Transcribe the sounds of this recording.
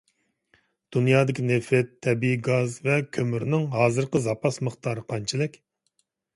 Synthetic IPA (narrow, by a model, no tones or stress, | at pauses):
d̪̥unjɑːd̪ɪkʲʰinefɪt̪ʰːɛbiɡɑzvɛkʲʰømyɾnɪŋɦɑːzɨɾqəzɑpɑsməχt̪ʰɑːɾəqʰɑnt͡ʃʰilɪkʲ